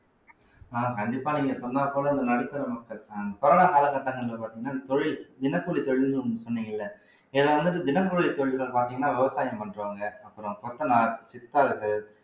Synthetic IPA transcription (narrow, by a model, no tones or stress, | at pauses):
aːkɐɳɖɪpːaːniːŋɡɐsɔnːaːpːoːlɐ̃ɪnd̪ɐnɐɽɯkːɐɾɐmɐkːɐɭkaɪnd̪ɐkɔɾoːnaːkaːlɐkːɐʈːɐŋɡɐɭɪlːɐpaːɾt̪iːŋɐnːaːɪnd̪ɐt̪ɔɻɪld̪ɪnɐkːuːɭit̪ɔɻɪlnɯɯsɔnːiːŋɡɐɪlːɐ | ɪðɪlɐʋɐnd̪ɯʈːɯd̪ɪnɐkːuːɭit̪ːɔɻɪlɣɐɭpaːɾt̪iːŋɡɐnːaːʋɪʋɐsaːjɐmpɐɳɖrɯʋaːŋɡɐɐpːɯɾɔ̃kɔt̪ːɐnaːsɪt̪ːaːɾɯkːɯ